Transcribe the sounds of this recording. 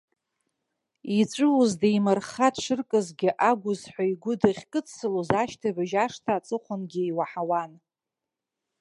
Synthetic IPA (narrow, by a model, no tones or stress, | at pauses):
it͡ʃʷʼɨwuzdaimarχadʂʷɨrkʼɨzɡʲɪʔaɡʷʊzħʷaiɡʷʊdaχʲkʼɨt͡sʰsɨlozaʃtʰabaʒaʂtʰaːt͡sʼɨχʷanɡʲijwaħawan